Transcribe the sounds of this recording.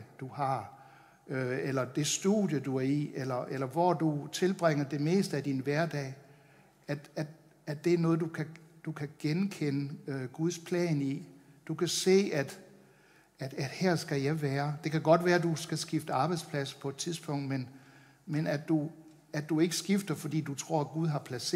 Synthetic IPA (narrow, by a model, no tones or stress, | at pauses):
d̥uhɑ̈ | øelɐd̥e̝sd̥ṵðjəd̥uæɐielɐʔelɐʋɒd̥ut͡sʰe̝lb̥ʁeŋ̰ɐd̥e̝me̝̰ːsd̥əæd̥inʋæɐd̥ɛ̰ː | æd̥æd̥ | ædd̥e̝æɐnɔ̽ːð̞̩ˠd̥ukʰæd̥ukʰæɡ̥enkʰenəøɡ̥uð̞ˠspʰlɛ̰ːnid̥ukʰæse̝̰ːæd̥ | æ̥æd̥heɐ̰sɡ̥æjɑ̈ɪʋæːɐd̥e̝kʰæɡ̥ɒ̽d̥ʋæːɐd̥usɡ̥æsɡ̥ifd̥əɑ̈ːb̥ɑ̈ɪd̥spʰlæsɐ̥pʰɒ̽e̝d̥t͡sʰiðˠsb̥ɔ̽ŋ̰d̥men | menædd̥u | ædd̥ue̝ɡ̥əsɡ̥ifd̥ɐfɒ̽d̥ḭːd̥ut͡sʰʁɔ̝ɐ̰æɡ̥uðˠɦɑ̈pʰlæse̝